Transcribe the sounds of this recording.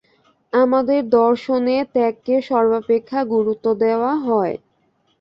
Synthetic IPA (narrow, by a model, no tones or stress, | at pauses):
amad̪eɾd̪ɔɾʃonet̪ɛkːeʃɔɾbapekʰːaɡuɾut̪ːod̪eoaɦɔe